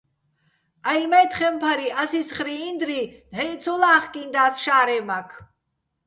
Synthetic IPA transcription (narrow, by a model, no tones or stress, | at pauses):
ajlmɛt̪χɛmpʰaɾiʔasisχɾiːnd̪ɾinɦɛt̪t͡sʰɔlaːχkʼind̪aːsʃaːɾɛmakʰ